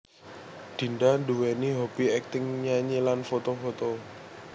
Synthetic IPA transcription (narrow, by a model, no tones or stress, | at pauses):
d̪̥i̤ndanduwɛniɦɔb̥iɛk̚t̪ɪŋɲaɲelanfot̪ofot̪o